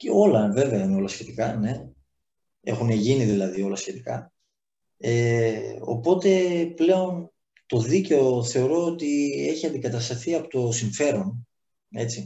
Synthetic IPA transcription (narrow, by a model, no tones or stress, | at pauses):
ceo̞lɐve̞veɐineo̞lɐsçe̞t̪ikɐne̞ | e̞̰xuneʝiniðilɐðio̞lɐsçe̞t̪ikɐ | eo̞̰po̞t̪e̞ple̞o̞n | t̪o̞ðice̞o̞θe̞o̞ɾo̞ot̪ie̞çiɐnd̪ikɐt̪ɐst̪ɐθiɐpot̪o̞siɱfe̞ɾo̞n | e̞t͡si